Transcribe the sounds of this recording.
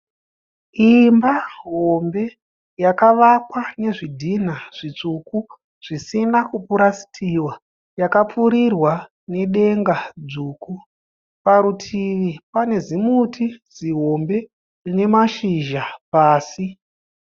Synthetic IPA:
imbaɦo̞mbe̞ | jakaʋakwane̞ʐidʱin̤aʐ̥it͡suku | ʐ̥isinakupuɾasi̥tʰiwa | jakap͡fuɾirwa | ne̞ɗe̞ŋɡad͡zuːku | paɾutʰiʋipane̞zimutʰid͡ziɦo̞mbe̞ | rine̞maʃiʒapaːsi

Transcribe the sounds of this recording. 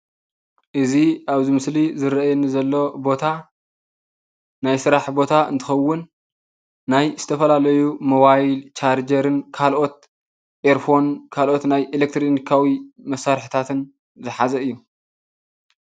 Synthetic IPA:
ʔɨziaβzimɨslizɨɾʔajɛnizɐlːo̞bo̞t̪ʰa | najsɨɾaħbo̞t̪ʰaɨ̰nt̪ʰɨ̥xɐwːʊnː | ajzɨt̪ʰɐfɐlalɐjumo̞βajlt͡ʃʰaɾd͡ʒɐɾɨnkʰalʔo̞t̪̚ | ʔeɾfo̞nkʰalʔo̞t̪najʔelek̚t̪ʰɾonikʰawimɐsːaɾħit̪ʰat̪ʰɨn | zɨħazɐɨjːu

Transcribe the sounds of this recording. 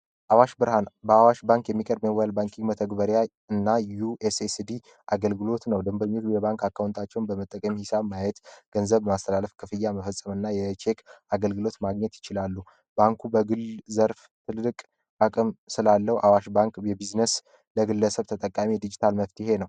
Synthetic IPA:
ʔawaʃbɨɾhanbəawaʃbaŋkjɛmːikʼəɾbməwalbaŋkʰiŋɡmət̪ʰəɡbəɾja | ɨnːajuʔesesd̪i | ʔaɡəlɡɨlo̞t̪nəwd̪ɨmbəɾmiujɛβaŋkakːawunt̪ʰat͡ʃːɛwnbəmət̪ʼːəkʼəmhɪsabmːajɛt̪ɡ̥ənzəβmast̪ʰəlaləfkʰɨfɨjːaməfəsʼəmɨnːajɛt͡ʃʰekaɡəlɡɨlo̞t̪maɡɲɛt̪jɪt͡ʃɪlalːu | baŋkʰubəɡɨlzəɾf | t̪ʰɨlːɨkʼ | ʔakʼɨmsɨlalːəwʔawaʃbaŋkjɛbiznəs | ləɡɨlːəsəβt̪ʰət̪ʼəkʼːamid̪id͡ʒit̪ʰalməft̪ʰɪhe̞nəw

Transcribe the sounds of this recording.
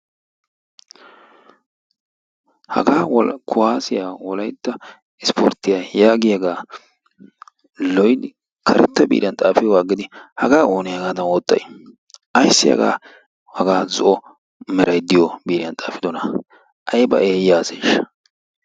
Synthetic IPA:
hɐ̰ɡaːwkʰʊhaːsɪjaːwɔlɐjt̪ːɐ | ɪspo̰ɾt̪ːɪjaːjaːɡɪjɐɡaː | lɔjd̪ɪ | kʰɐɾɛ̰t̪ːɐbḭːɾɪjɐnt̪ʼaːfɪwaːɡɪd̪ɪhɐɡaːo̞ːnɪjɐɡaːd̪ɐnoːt̪ːɐ̰j | ʔɐjsːɪjɐ̰ɡa̰ː | hɐɡaːzʊʔɔ | mɛɾɐjd̪ːɪjɔbiːɾɪjɐnt̪ʼa̰ːfɪd̪ɔnɐ | ʔɐjbɐ̰ʔeːjaːseːʃ

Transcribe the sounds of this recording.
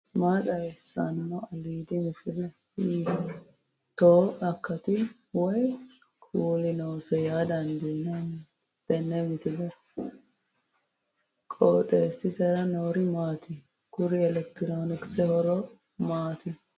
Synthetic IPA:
maːt̪ɐɛsːɐ̰nmɔɐliːd̪ɪmɪsɪdɛ | i | t̪oːɐkʰːɐt̪ɪ | wɔj | kʰuːlɪnɔwsɛjaːd̪ɐnd̪inɛ | d̪̥ɛnːɛmɪsɪdɛ | kʼoːt̪ʼeːsɪsɛɾɐnoːɾɪmaːt̪ʰɪ | kʊɾɪɛlɛk̚t̪ɪɾoːnɪksɛhɔɾɔ | maːt̪ɪ

